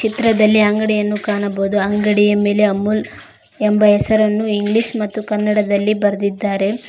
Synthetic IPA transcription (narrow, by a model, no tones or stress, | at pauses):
t͡ʃit̪ɾɐd̪ɐlːiaŋɡɐɽijɐnːukaːɳɐboːd̪uɐŋɡɐɽijɐme̞ːle̞ɐmːul | ɛmbɐɦɛsɐɾɐnːuiŋɡliʂmɐt̪ːukɐnːɐɽɐd̪ɐlːibɐɾɐd̪id̪ːaːɾe̞